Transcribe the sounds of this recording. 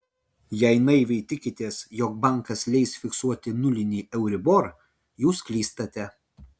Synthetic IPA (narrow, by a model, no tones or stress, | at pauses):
jɛɪnɐɪʋʲɛɪt̪ʲɪkʲɪt̪ʲeːsjoːk̚bɐˑŋˑkɐslʲɛɪsfʲɪksuɔt̪ʲɪnʊlʲɪnʲiːʔɛʊɾʲɪboːɾ | juːsklʲiːst̪ɐt̪ʲɛ